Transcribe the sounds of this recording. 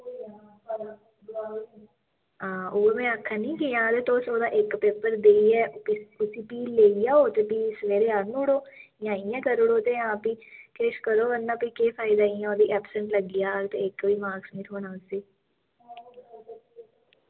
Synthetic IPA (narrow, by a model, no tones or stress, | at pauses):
ãːʊːəmẽəkʰːanĩːkijãːd̪et̪oːsoːd̪aʔeːkːpeːpəɾd̪eːiɛːʊsipiːlːeːijaoːt̪epiːsʋeːɾeaːɾnũʊɽoːjãːɪjãkəɾʊɽoːt̪ejããːpikeːʃkəɾoːʋənːaːpikeːfaːɪd̪aiɛ̃ɔːd̪iʔɛːpsə̃ɳʈləɡːɪjaːt̪eeːkːbiːmaːɡsmit̪ɦoːnãːʊseː